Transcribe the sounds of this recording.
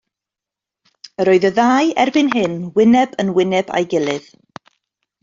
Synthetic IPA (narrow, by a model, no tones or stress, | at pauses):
əɾoɨðəðaːjɛrbɨnɦɪnwɪnɛbənwɪnɛba̰jɡɪlˠɨð̥